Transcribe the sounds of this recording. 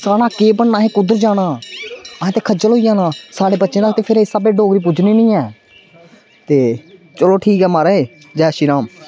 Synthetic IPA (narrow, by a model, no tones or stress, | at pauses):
saːɽaːkeːbəɳnãːɦẽːkʊd̪əɾd͡ʒaːɽ̃aːãːt̪eːkʰəd͡ʒəlɦoːijãːnãːsaːɽeːbətːʃẽːɾaːt̪eːpʰɪɾeːsabeːɖoːɡɾiːp̬ʊd͡ʒniːnĩːɛː | t̪eː | t͡ʃəloːʈʰiːkɦɛːmaːɾəːeː | d͡ʒɛːʃɪɾaːm